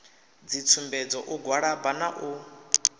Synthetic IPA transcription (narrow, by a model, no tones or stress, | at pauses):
d͡zit͡sʰumbɛd͡zɔʔuɡwaɺabanaʔu